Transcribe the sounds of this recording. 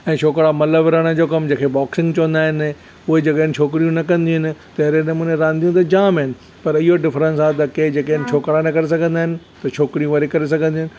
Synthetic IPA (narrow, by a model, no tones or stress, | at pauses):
ɛ̃ːt͡ʃʰoːkɽamɐləʋɪɾəɽ̃ə̆d͡ʑoːkɐmd͡ʑẽːkʰebɔːksɪ̃ŋɡt͡ɕɐʋə̃nd̪aːɦɪn | ʊɦed͡ʑɐkenɪ̆t͡ɕʰoːkɪɾijũnɐkɐ̃nd̪iɦʊnɪ̆t̪ɐɦɾenɐmũːnẽɾãːnd̪ijũt̪ɐd͡ʑaːmɦɪnɪ̆ | pɐɾɪɦoɖɪfɾə̃nsaːt̪ɐked͡ʑeːkenɪ̆t͡ɕʰoːkɾanɐkɐɾes̬ɐɡʱə̃nd̪aːɦɪnɪ̆ | t̪ɐt͡ʃʰoːkɪɾijũʋɐɾikɐɾes̬ɐɡʱə̃nd̪iɦʊnɪ̆